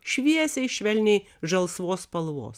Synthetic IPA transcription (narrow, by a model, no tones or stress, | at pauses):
ʃʲʋʲiɛsʲɛɪʃʲʋʲɛlʲnʲɛɪ | ʒɐlˠsʋoːspɐlˠʋo̰ːs